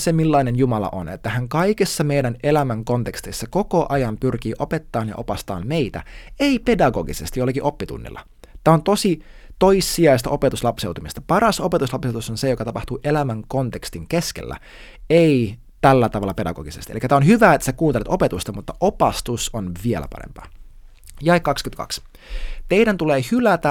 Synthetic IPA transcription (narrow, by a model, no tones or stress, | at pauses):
semilːɑinenjumɑlɑ̰ʔo̰net̪ːæhæŋkɑjkesːɑme̞jdæne̞læmæŋko̞nt̪ekst̪isːɑko̞ko̞ʔɑjɑmpyrk̟iːʔo̞pe̞t̪ːɑːnjɑʔo̞pɑst̪ɑ̰ːmmeit̪æ̰e̞ipe̞dɑɡoɡisḛst̪ijolːɑkiʔo̞pːit̪ṵnːḭlːɑ̰ | t̪æːont̪o̞si | t̪ojsːiɑist̪ɑʔo̞pet̪uslɑpse̞wt̪umist̪ɑpɑɾɑso̞pet̪uslɑpsewt̪usonse̞jo̞kɑt̪ɑpɑht̪uːʔelæmæŋko̞nt̪e̞kst̪iŋke̞skḛlːæ̰ | ei | t̪ælːæt̪ɑʋɑlːɑpe̞dɑ̰ɡ̥o̰ɡisest̪iʔḛlikːæt̪æonɦyʋæːet̪ːæ̥sekuːnt̪elet̪o̞pet̪ust̪ɑmut̪ːɑʔopɑst̪usonʋielæ̰pɑ̰ɾḛmpɑ̰ː | jɑekːɑkskynkɑ̰ks | t̪e̞idænt̪uleːhylæt̪æ